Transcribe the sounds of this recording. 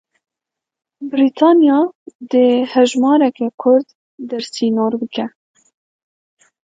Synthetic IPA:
bɾiːt̪ʰɑːnjɑːd̪ehɛʒmɑːɾɛkɛkʰʊɾd̪ː | ɛɾsiːnoːɾbɨkɛ

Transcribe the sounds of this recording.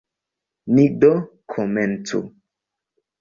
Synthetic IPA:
nidɔ | kʰomɛntṵ

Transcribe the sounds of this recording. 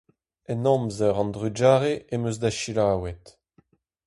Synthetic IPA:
ɛnɔ̃mzœʁɑ̃nd̪ʁyd͡ʒaːʁeʔemøzdaʃilaːwɛt̪

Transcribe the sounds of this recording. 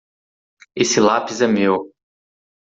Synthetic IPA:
esɪlapizɛmew

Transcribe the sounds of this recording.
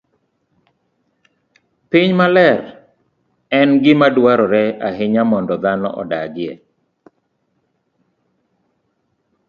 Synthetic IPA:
piɲmalɛr | ɛnɡɪmadwaɾɔɾɛaɦɪɲamɔndɔd̪anɔ̰ʔɔ̰daɡɪɛ̰

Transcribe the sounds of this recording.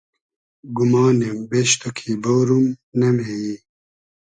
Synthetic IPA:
ɡumaːnembeɕt̪okʰiːbowɾumnɐmeji

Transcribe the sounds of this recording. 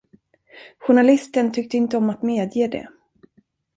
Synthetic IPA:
ɧʊɳalɪst̪ənt̪ʰʏk̚t̪əɪnt̪əɔmat̪meːd̪jeːd̪ɛ̰

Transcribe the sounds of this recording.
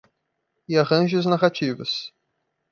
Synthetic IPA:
ɪaʁɐ̃ʒɪɐznaɣat͡ʃivɐs

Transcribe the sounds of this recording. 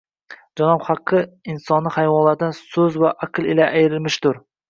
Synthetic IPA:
d͡ʒɑnɑbχɑqʰːɨinsɒnːɨhajwɒnlˠaɾd̪ɪnsɵzwaʔaqɨlˠɪlaʔæjɾɪlmɪʃt̪ʊɾ

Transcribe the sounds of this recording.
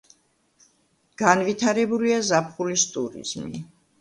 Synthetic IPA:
ɡ̥anvit̪ʰaɾɛbuliazapχulist̪ʼuɾḭz̥mḭ

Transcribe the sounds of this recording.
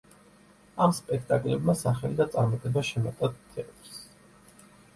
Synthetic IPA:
amspʼɛkʰt̪ʼakʼlɛbmasaχɛlid̪at̪sʼaɾmat̪ʼɛbaʃɛmat̪ʼad̪̚t̪ʰɛat̪ʼɾs

